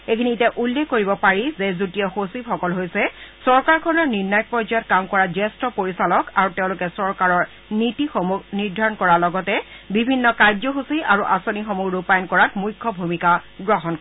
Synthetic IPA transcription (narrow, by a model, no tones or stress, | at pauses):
ekʰinitɛʔulːekkːoɹibɔpaɹizezutijɔxosiphɔkɔlɦojsɛsɔɹkaɹkʰɔnɔɹniɹnajɔk̚pɹɔzɔjɔt̚kamkɔɹad͡ʒɛstɔpoɹisalɔkaɹuteʊ̃lʊkɛsɔɹkaɹɔɹ | nitixomuɡʱniɹdʱaɹɔnkɔɹalɔɡɔtɛbibʱinːɔkajzɔxusiʔaɹuʔasonixomuɡɹupajɔnkɔɹatmujkʰːɔbʱumikaɡɹɔɦɔnkɔ